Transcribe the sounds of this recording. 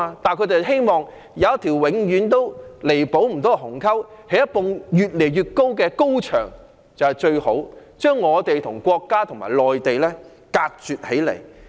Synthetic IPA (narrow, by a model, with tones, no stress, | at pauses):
t̪aː˨nkʰɵ˨˧˥t̪e˨ɦe˥jmɔː˨˩ŋ | jɐ˨˧wɐ˥t̪ʰi˨˩wwɪ˨˧ŋjyː˨˥nt̪̬o˥wle˨˩jpo˨˥wm̩˨˩t̪ɔː˥˧ɦʊ˨˩ŋkʰɐ˥whe˨˥jɐ˥t̚pʊ˨˧ŋjyː˨t̚le˨˩jɥyː˨t̚ko˥wkɛː˧ko˥wt͡ʃʰœ̰ː˨˩ŋ | t͡sɐ˨whɛ˨˩jt͡ʃɵ˧ɥho˨˥wt͡ʃœː˥ŋːɔː˨˧t̪e˨jt̪ʰʊ˨˩ŋkʷɔː˧kːaː˥t̪ʰʊ˨˩ŋma̰ː˨˩jlɔː˨jt̪e˨jlɛː˥ | kaː˧t̚t͡syː˨t̚he˨˥jlḛ˨˩j